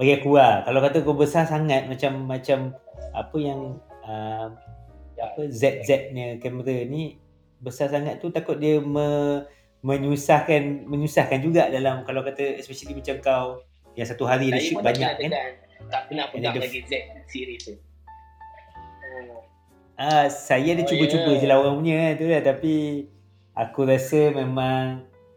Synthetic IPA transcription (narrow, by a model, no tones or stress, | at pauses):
baɡajkuakalawkat̪əkawbəsasaŋat̪̚mat͡ʃamːat͡ʃamapəjaŋəmapəzɛt̪̚zɛt̪̚ɲəkɛməɾəni | bəsasaŋat̪̚ːut̪akʊt̪̚diəmə̃ | mə̃ɲusahkanmə̃ɲusahkand͡ʒuɡaʔdalamkalawkat̪əɛspɛʃalimat͡ʃamkaw | jaŋsat̪uɦaɾiadaʃubaɲaʔkann | t̪aʔpənaaddəlaɡizɛt̪̚siɾit̪u | ʔasajaadat͡ʃubət͡ʃubəd͡ʒəlaɦoɣaŋpuɲəkant̪ulat̪api | ʔakuɾasəmẽmãŋ